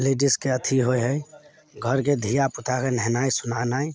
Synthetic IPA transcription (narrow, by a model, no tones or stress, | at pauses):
leɖiskeət̪ʰiɦojɦəj | ɡʱəɾked̪ʱijaput̪ʰakenɛɦnaisunanai